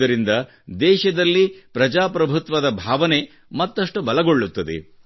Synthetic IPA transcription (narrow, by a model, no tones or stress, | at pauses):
ɐɾind̪ɐ | d̪ɛːʃɐd̪ɐlːipɾɐd͡ʒaːpɾɐbʱut̪ʋɐd̪ɐbʱaːʋɐne̞ | mɐt̪ːɐʂʈubɐlɐɡo̞ɭːut̪ːɐd̪ḛ